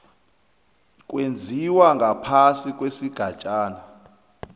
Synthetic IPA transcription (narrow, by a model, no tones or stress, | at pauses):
kʼwend͡zʱiwaŋɡʱapʰasikʼwesiɡ̥ʱat͡ʃʼaːna